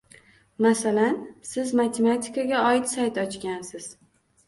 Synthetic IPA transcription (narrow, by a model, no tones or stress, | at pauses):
masalansɪzmat̪ʰemat̪ʰɪ̥kaɡʲaɒɪt̪sajt̪ɒt͡ʃkʲansɪz̥